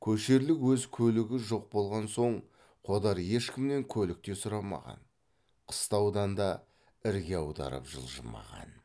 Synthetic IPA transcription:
kʲʰɵʃe̞ɾlɪkwɵzkʲʰɵlɪɡʲɪʒo̞q̚bo̞lˠʁɑnso̞ɴ | qʰo̞d̪ɑɾje̞ʃkʲʰɪmne̞ŋkʲʰɵlɪk̚t̪e̞sʊɾɑmɑ̰ʁɑ̰n | qʰə̥st̪ɑwd̪ɑnd̪ɑ | ɪɾɡʲeɑwd̪ɑ̰ɾə̰pʒə̰lˠʒə̰mɑ̰ʁɑ̰n

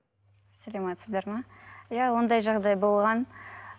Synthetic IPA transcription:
sælˠɑmɑt̪səzd̪ɑɾmɑjawo̞nd̪ɑjʒɑʁd̪ɑjbo̞lˠʁɑn

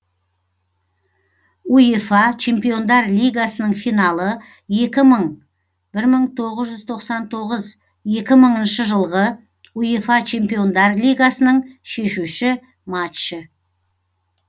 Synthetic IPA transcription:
ujefɑt͡ʃʰe̞mpijo̞nd̪ɑɾlʲijɡasənəɴfijnɑlˠə | je̞kʲɪməɴ | b̥ɪɾməɴt̪ʰo̞ʁəzʒʏzt̪ʰo̞qsɑnt̪ʰo̞ʁəz | je̞kʲɪməɴənʃəʒəlˠʁə | ujefɑt͡ʃʰe̞mpijo̞nd̪ɑɾlʲijɡasənəɴʃe̞ʃuʃɪ | mat̪ʃɪ

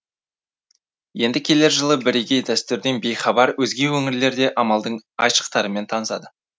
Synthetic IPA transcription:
je̞nd̪ɪkʲʰe̞le̞ɾʒəlˠəbɪɾeɡʲe̞jd̪æst̪ʏɾd̪enbe̞jχɑbɑɾwɵzɡʲe̞wɵŋɪɾle̞ɾd̪e̞ʔɑmɑlˠd̪əɴɑ̰jʃə̥q̚t̪ɑɾəme̞nt̪ʰɑnəsɑd̪ə

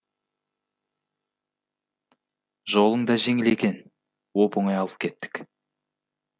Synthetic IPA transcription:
ʒo̞lˠəɴd̪ɑʒe̞ŋɪle̞kʲe̞n | wopʊɴɑjɑlˠəp̚kʲʰe̞t̪ːɪ̥k

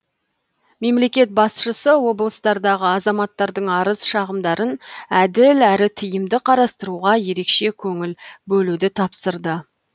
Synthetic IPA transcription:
me̞mle̞kʲe̞t̪̚bɑsʃəsəwo̞blˠəst̪ɑɾd̪ɑʁəɑzɑmɑt̪ːɑɾd̪əɴɑɾəzʃɑʁəmd̪ɑɾənæd̪ɪlæɾɪt̪ʰijɪmd̪ɪqʰɑɾɑst̪əɾuʁɑje̞ɾe̞kʃe̞kʲʰɵŋɪlbɵlud̪ɪt̪ʰɑpsəɾd̪ə

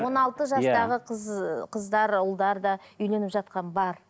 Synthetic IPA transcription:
wo̞nɑlˠt̪əʒɑsɑʁəzqʰəzd̪ɑɾʊlˠd̪ɑɾd̪ɑʏjle̞nɪpʒɑt̪̚qɑnbɑɾ

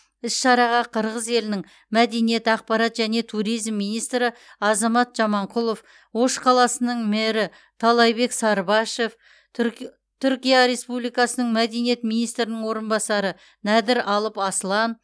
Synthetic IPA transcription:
ɪsʃɑɾɑʁɑqʰəɾʁəze̞lɪnɪŋ | mæd̪e̞nije̞t̪ɑq̚pɑɾɑt̪ʒæne̞t̪ʰuɾijzmːijnijst̪ɾɪɑzɑmɑt̪ʒ̥ɑmɑɴqʰʊlˠo̞f | wo̞ʃqʰɑlˠɑsənəɴmɪɾɪ | t̪ʰɑlˠɑjbe̞ksɑɾbɑʃe̞f | t̪ʰʏɾkʲijɑɾe̞spublijkɑsənəɴmæd̪e̞nije̞t̪minijst̪ɾɪnɪŋwo̞ɾənbɑsɑɾə | næd̪ɪɾɑlˠəpɑsəlˠɑn

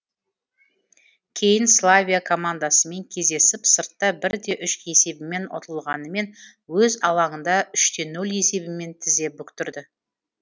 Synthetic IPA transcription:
kʲʰe̞jɪnslˠavʲijakʰo̞mand̪asəme̞ŋkʲʰe̞zd̪e̞sɪpsəɾt̪ːɑbɪɾd̪e̞ʔʏʃe̞se̞bɪme̞nwo̰t̪ʰəlˠʁɑnəme̞n | wɵzɑlˠɑɴənd̪ɑʔʏʃt̪e̞nːɵle̞se̞bɪme̞nt̪ʰɪzd̪e̞bʏkt̪ʏɾd̪ɪ

